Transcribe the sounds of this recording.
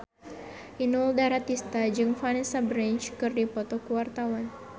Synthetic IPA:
ʔinuldaɾat̪ist̪ad͡ʒɨŋfanɛsabɾɛnt͡ʃkɨrdipɔt̪ɔkuwart̪awan

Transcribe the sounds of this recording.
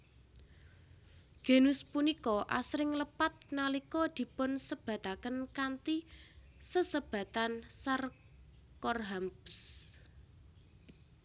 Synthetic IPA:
ɡ̥e̤nʊspunikɔʔa̰sɾɪŋləpat̪̚nalikɔd̪̥i̤pʊnsəb̥ä̤t̪akənkant̪i | səsəb̥ä̤t̪ansar | kɔrɦambʊs

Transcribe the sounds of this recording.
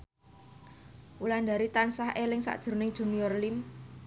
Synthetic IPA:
ʔuland̪a̤ɾit̪ansahʔelɪŋsa̰ʔd̥ʒ̥ʊ̤ɾnɪŋd̥ʒ̥ṳnijɔrlim

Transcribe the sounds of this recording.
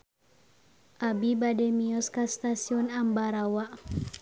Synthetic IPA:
ʔabibadɛmiɔskast̪asiɔnambaɾawaʔ

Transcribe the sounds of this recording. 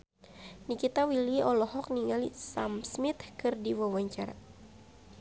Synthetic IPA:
nikit̪awiliɔlɔhɔk̚niŋalisa̰msmit̪kɨrdiwawaɲt͡ʃaɾa̰

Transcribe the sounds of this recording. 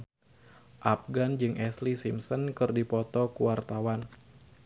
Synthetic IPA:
ʔap̚ɡand͡ʒɨŋʔɛslisimsənkɨrdipɔt̪ɔkuwart̪awan

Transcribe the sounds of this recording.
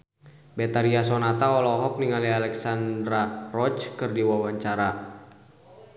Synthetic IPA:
bɛt̪aɾiasɔnat̪aɔlɔɦɔk̚niŋalialɛksandɾarɔt͡ʃkɨrdiwawaɲt͡ʃaɾa

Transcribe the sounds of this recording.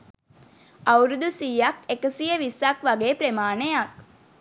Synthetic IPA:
ɐwɾud̪usiːɐkekəsijəʋisakʋaɡeːpɾemaːnejak̚

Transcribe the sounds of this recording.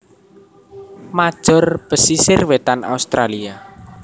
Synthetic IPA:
mad̥ʒ̥ɔ̤rb̥əsisɪrwet̪ana̰ust̪ɾalia

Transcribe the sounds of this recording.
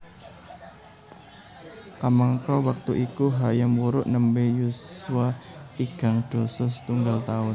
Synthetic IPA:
kamaŋkawak̚t̪uʔikuɦajamuɾʊʔnəmbejusuaiɡ̥a̤ŋd̪̥osʊst̪uŋɡalt̪aʊn

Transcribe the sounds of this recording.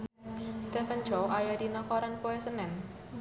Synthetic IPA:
st̪ɛfənd͡ʒɔajadinakaɾanpoɛsənɛn

